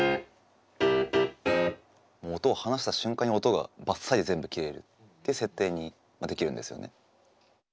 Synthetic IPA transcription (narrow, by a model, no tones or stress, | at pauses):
moːt̪o̞ːhanaɕ̬i̥t̪aɕɨ̃ŋkaɲ̟ːio̞t̪oɡa̰basːaid̪e̞zẽ̞mbɯ̟kʲiɾe̞ɾɯ̟̰t̪ː | ejiɯ̟se̞t̪ːe̞ːɲ̟i | mad̪e̞kʲiɾɯ̟̃nd̪e̞sɨjo̞̰ne̞̰